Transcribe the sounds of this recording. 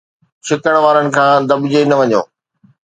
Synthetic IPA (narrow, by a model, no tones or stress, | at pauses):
t͡ɕʰɪkəɽ̃ʋaːɾənɪ̆kʰãːd̪ɐbʊd͡ʑenɐʋɐɲo̰ː